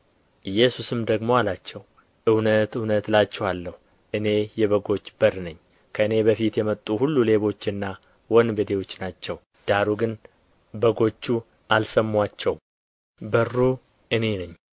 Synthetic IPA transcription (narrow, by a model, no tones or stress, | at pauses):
ʔɨjːɛsusɨmd̪əɡmo̞alat͡ʃːɛw | ʔɨwnət̪ɨwnət̪lat͡ʃːɛwalːəhu | ʔɨne̞jɛβəɡo̞t͡ʃːbəɾnəɲː | kʰəɨne̞bəfit̪jɛmət̪ʼːuhulːule̞βo̞t͡ʃːɨnːa | wɔnbəd̪ewo̞t͡ʃːnat͡ʃːɛw | d̪̥aɾuɡɨn | bəɡo̞t͡ʃːu | ʔalsəmːwat͡ʃːɛw | bərːu | ʔɨne̞nɨɲː